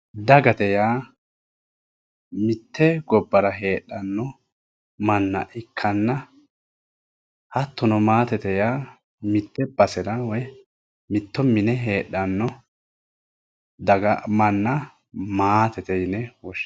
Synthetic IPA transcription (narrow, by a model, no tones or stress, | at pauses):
d̪ɐɡɐt̪ɛjaː | mɪt̪ːɛɡɔbːɐɾɐɦe̞ːɗːɐnːɔ | mɐnːɐ̰ʔɪkʰːɐnːɐ | hɐt̪ːɔnɔmaːt̪ɛt̪ɛjaː | mɪt̪ːɛbɐsɛɾawɔj | mɪt̪ːɔmɪnɛɦeːᶑːɐnːɔ | d̪ɐɡɐmɐnːɐ | maːt̪ɛt̪ɛjnɛwɔʃ